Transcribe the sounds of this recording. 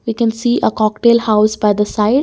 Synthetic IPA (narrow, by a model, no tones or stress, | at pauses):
ʋiːkɛ̃nsiːʔəkɔːkʈeːlhaʊsbaɪd̪əsaɪɖ